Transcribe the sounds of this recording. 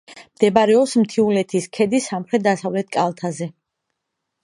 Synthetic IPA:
md̪̥ɛbaɾɛɔpsmt̪ʰiulɛt̪ʰiskʰɛd̪isamχɾɛt̪̚d̪asavlɛt̪̚ʰkʼalˠt̪ʰazɛ

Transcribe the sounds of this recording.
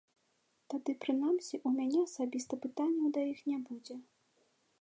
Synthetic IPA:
t̪ad̪ɨpɾɨnamsʲiʔumʲanʲɛɐsabʲist̪ɐpɨt̪anʲːɛwd̪ɐjixnʲabud͡zʲɛ

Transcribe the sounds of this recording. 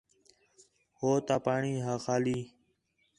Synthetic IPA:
hoːt̪aːpaːɳiːɦaːxaːliː

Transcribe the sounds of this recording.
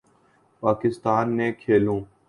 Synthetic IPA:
paːkɪst̪aːnːeːkʰeːlõː

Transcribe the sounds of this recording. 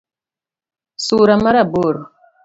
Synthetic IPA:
suɾamaɾaboɾo

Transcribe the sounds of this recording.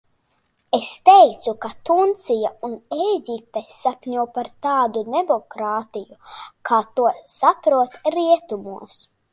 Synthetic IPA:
est̪ejt̪sukat̪unt̪sijauneɡʲip̚t̪ajsapʲɲuwpaɾt̪aːd̪ud̪emɔkɾaːt̪ijukʰaːt̪uɔsapɾuɔt̪ɾiɛt̪umuɔs

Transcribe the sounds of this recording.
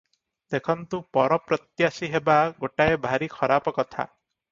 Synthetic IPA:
t̪ekʰɔnt̪upɔɾɔpɾɔt̪jasiɦebaɡoʈaebʱaɾikʰɔɾapɔkɔt̪ʰa̰

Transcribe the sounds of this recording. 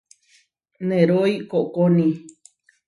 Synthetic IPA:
nẽɾoikoʔkonĩ

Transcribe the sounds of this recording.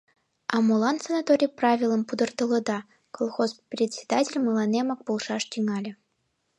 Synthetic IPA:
ɑmolˠɑnsanat̪oɾʲijprɑvʲilˠə̆mpud̪ɤ̆rt̪ɤ̆lˠɤ̆d̪ɑ | kolˠxosprʲet̪ʲsʲe̥d̪ɑtʲelʲmɯlˠɑnemɑk̚polˠʂɑʂt̪ʲyŋɑlʲĕ

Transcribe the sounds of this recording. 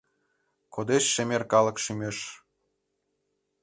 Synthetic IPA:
kod̪eʃːemerkɑlə̆kʃymeʃ

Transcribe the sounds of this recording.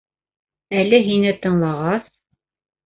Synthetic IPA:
ælɘɦinɘt̪ɤ̆ɴlˠɑʁɑs

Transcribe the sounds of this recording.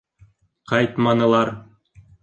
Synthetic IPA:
qɑjt̪mɑnɤ̆lˠɑɾ

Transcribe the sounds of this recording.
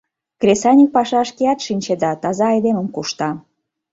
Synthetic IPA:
krʲesɑnʲik̚pɑʃɑʃkeɑt̪ʃinʲt͡ɕed̪ɑt̪ɑzɑːjd̪eməmkuʃt̪ɑ

